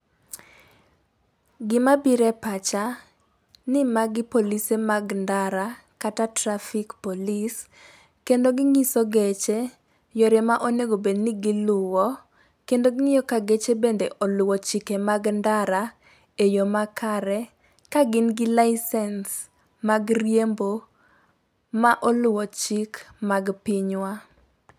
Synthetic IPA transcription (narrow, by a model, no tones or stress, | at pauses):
ɡɪmabiɾɛpat͡ʃa | nɪmaɡɪpolisemaɡndaɾa | katatɾafikpolis | kendoɡɪŋisoɡet͡ʃe | jɔɾemaʔoneɡobednɪɡɪlʊwɔ | kendoɡɪŋɪjɔkaɡet͡ʃebendeʔɔlʊwɔt͡ʃikemaɡndaɾa | ejomakaɾɛ | kaɡɪnɡɪlaɪsɛns | maɡrjembo | maʔɔlʊwɔt͡ʃikmaɡpɪɲwa